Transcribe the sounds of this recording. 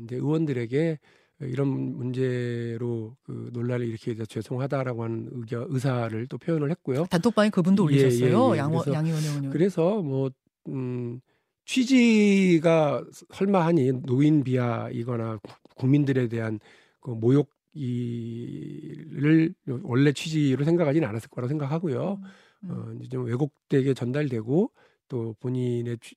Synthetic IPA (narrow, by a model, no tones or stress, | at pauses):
nde̞ɯwʌndɯɾe̞ɡe̞ | iɾʌnmund͡ʑe̞ɾokɯ̰noɭːaɾiiɾʌkʰedesʰʌt͡ɕwe̞sʰoŋɦadaɾaɡoɦanɯnɯɡʌɯs̬ʰaɾɯɭt͈opʰjojʌnɯɭhet̚k͈ojotatʰopaŋikɯbundojie̞ʌjejoojksʰʌjaŋiʌokɯɾe̞sʰʌmwʌ | t͡ɕʰɥid͡ʑiɡasʰʌɭmaɦaɲinoinpiaḭɡʌna | kuŋmindɯɾe̞de̞ɦan | kɯmojok̚ | i | ɾɯɭwʌɭːe̞t͡ɕʰɥid͡ʑiɾosʰe̞ŋɡakʰad͡ʑina̰nas͈ɯɭkʌɾaɡosʰeŋɡakʰaɡojo | ʌ̰id͡ʑet͡ɕomwe̞ɡok̚t͈e̞ɡe̞t͡ɕʌndaɾdwe̞ɡo | t͈opoɲine̞